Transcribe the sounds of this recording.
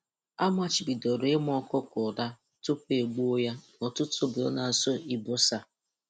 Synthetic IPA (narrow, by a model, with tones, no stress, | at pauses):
a˦m˦a˦t͡ʃi˨bi˨do˨ɾɪ˦m˦ɔ˦kɔ˦kʊ˨da˦ | tʊ˦pe˨ɡ͡bo˦ja˦ | ɔ˨tʊ˦tʊ˦bʊ˨ɔ̰˦na˨so˦i˨bo˦sa˦